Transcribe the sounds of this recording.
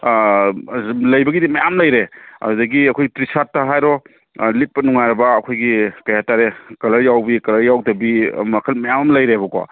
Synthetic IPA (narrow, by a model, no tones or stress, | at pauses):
lɐjbɐɡidimɐjamlɐjɾeɐ̰dɐɡiɐkʰojɡitɾisatːaɦajɾɔ | lit̚pɐnuŋaɾɐbaːkʰojɡikɐjataɾekɐlɐɾjawbikɐlɐɾjawdɐbimɐkʰɐlmɐjamɐmlɐjɾebɔkɔ̰